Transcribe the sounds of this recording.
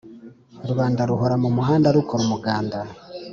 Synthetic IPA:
ɾuβaːndaɾuɦoɾamumuɦaːndaɾukʰoɾumuɡaːnda

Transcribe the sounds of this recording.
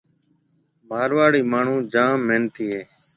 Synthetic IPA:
bʱaːɾʋaːɽiːmaːɳ̤ũːd͡ʒaːmːeːnt̪iːɦeː

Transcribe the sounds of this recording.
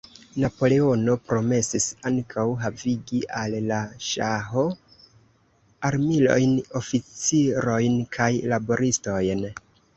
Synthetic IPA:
napo̞le̞o̞no̞pɾo̞me̞sisaŋkʰawɦaviɡiʔalːaʃaɦo̞ | aɾmilo̞̰jno̞fit͡siɾo̞jnkʰajlabo̞ɾisto̞jn

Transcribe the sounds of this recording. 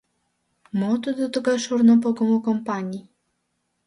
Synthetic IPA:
mɔt̪ud̪ɔt̪ukaʂuɾnɔp̬ɔɡɔmukɔmpaɲi

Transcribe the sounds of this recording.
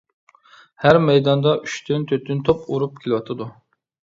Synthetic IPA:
hæɾmɛjd̪ɑnd̪ɑʔyʃt̪ʰynt̪ʰøt̪ʰynt̪ʰopuɾup̚kʲʰelɪwɑt̪ʰɨd̪u

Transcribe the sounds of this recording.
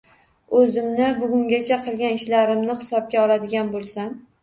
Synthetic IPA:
ɵzɪmnɪbʊɡʲʊŋɡʲat͡ʃʰaqʰɨlˠɡʲanɪʃlaɾɪmnɪhɪ̥sɒb̚ɡʲaɒlˠad̪ɪɡʲanbolˠsam

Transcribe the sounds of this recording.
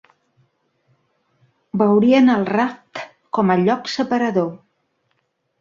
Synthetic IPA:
bəwɾiənəlˠrap̚t̪ | kɔməʎɔksəpəɾəðo

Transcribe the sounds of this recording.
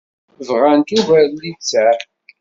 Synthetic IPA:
vʁant̪uvæɾlit͡sːæ

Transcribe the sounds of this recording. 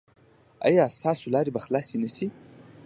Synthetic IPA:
a̰jɑst̪ɑsolɑɾebaxlɑsenəsi

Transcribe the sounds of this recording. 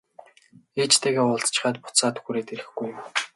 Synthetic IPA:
eːt͡ɕt̪ʰeːɣeːʊɮt̪t͡ɕɪ̥̆χaːt̪pʊ̥t̪saːt̪xuɾeːt̪eɾɘ̆xɡujm

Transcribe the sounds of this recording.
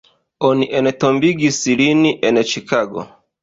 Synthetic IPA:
ɔniʔɛnɛtɔmbiɡisiliniʔɛnɛt͡ʃikaɡɔ̰

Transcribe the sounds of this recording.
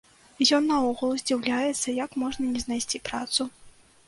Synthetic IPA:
jɔnːɐɔɣulˠuzʲd͡zʲiwlʲajɛt̪sːɐjɐkmɔʐnɐnʲɛznajsʲt͡sʲipɾat̪su

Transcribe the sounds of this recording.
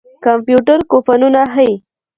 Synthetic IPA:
kampjuʈaɾkofanunaɦaj

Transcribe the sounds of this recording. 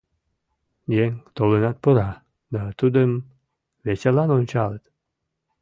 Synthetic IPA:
jeŋʲt̪olenɑt̪̚pəɾɑ | d̪ɑt̪ud̪əm | vet͡ɕelɑnonʲt͡ɕɑlət̪

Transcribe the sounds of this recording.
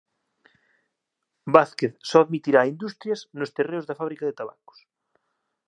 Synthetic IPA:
baθkeθsɔaðmit̪iɾaːind̪ust̪ɾjɐsnost̪ereʊzðɐfaβɾikaðet̪aβa̰ko̥s

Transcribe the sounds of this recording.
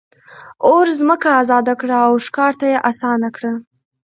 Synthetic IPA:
oɾzməkaːzɑd̪akɽaːwʃkɑɾt̪ajeʔasɑnakɽa

